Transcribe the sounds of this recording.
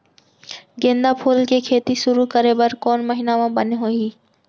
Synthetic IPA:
ɡẽːnd̪apʰoːlkekʰeːt̪iʃʊɾukəɾebəɾkɔːnməɦɪnamãbəneɦoːiː

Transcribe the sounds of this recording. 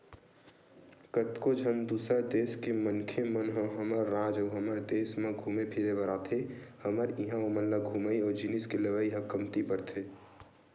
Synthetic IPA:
kət̪kod͡ʒʱənd̪uːsəɾd̪eːskemənkʰemənɦõɦəməɾːãːd͡ʒɔːɦəməɾd̪eːsmẽɡʱuːmepʰiɾebəɾaːt̪ʰehəməɾiɦãomənlaɡʱuːməiɔːɾd͡ʒiniskeləʋaːiɦə̃kəmt̪ipəɾt̪ʰe

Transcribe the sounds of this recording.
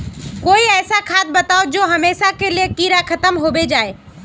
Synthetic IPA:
koːiɛːsakʰaːt̪̚bɐt̪aːod͡ʒoːɦɐmeːʃakelijekiːɾakʰɐt̪əmɦoːbed͡ʒaːe

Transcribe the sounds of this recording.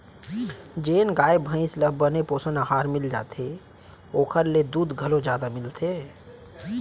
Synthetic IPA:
d͡ʒeːnɡaːebʱə̃ɪ̃sləbʱːənepoːsənaɦaːɾmɪld͡ʒa̰ːt̪e | oːkʰəɾled̪uːd̪ɡʱəlõd͡ʒjaːd̪amɪlt̪ʰe

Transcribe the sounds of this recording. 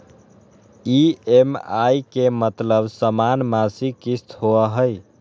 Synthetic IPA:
iemajkemət̪ləbsəmanmasikist̪ʰhoəɦəj

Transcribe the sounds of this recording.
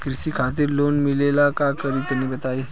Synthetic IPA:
kɾɪsikʰaːt̪̬ɪɾloːnmɪleːlakakəɾit̪ɐnebɐt̪aːe

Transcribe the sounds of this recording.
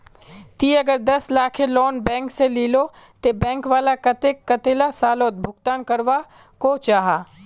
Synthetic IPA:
t̪iːɐɡəɾd̪ɐslaːkʰeloːnbɛ̃ːŋkseliːlo | t̪ebɛ̃ːŋkʋaːlakɐt̪ekːɐt̪elasaːloːt̪̚bʱʊɡt̪aːnkɐɾʋa | kot͡ʃaːɦaː

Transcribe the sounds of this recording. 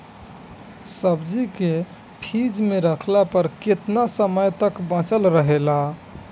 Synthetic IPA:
səbd͡ʒike | pʰid͡ʒmeɾəkʰlapəɾket̪nasəməjt̪əkbãt͡ʃəlɾəɦela

